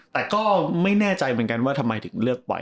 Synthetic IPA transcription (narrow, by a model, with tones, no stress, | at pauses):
t̪ɛː˨˩kɔː˥˩ma˥˩jnɛː˥˩t͡ɕa˧jmɯ˩˦ənŋka˧nwaː˥˩t̪ʰa˧mːa˧jt̪ʰɯ˨˩˦ŋɾɯ˥˩ək̚pa̰˧